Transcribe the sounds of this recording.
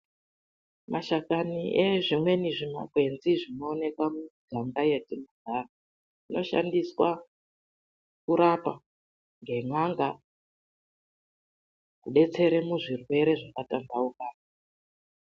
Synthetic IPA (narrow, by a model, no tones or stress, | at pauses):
mʔaʃakaniʔeʐimwe̞niʐima̰kwe̞nziʐino̞ːne̞kamuɡʱaŋɡajetinaɡʱaːra | ino̞ʃa̰ndiswa | kuɾapa | ŋɡe̞ŋaŋɡa | kuɓe̞t͡se̞ɾe̞muʐirwe̞ɾe̞ʐakatandaukaːna